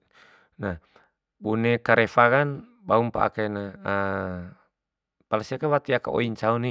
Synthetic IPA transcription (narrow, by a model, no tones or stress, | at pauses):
na | bunɛkaɾɛfakan | baumpa̰ʔa̰kanaa | palasiakawat̪iakao̰iɲt͡ʃauni